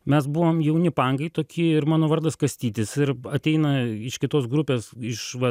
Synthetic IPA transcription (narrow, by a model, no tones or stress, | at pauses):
mʲɛs̬bʊʋoːmjɛʊnʲɪpɑŋɡɐɪt̪oːkʲʰiɪɾmɑːnoːʋɐrd̪ɐskɐsʲt̪ʲiːt̪ʲɪsɪɾɐt̪ʲɛɪnɐɪʃkʲɪt̪oːsɡɾʊpʲeːsɪʃʋɐ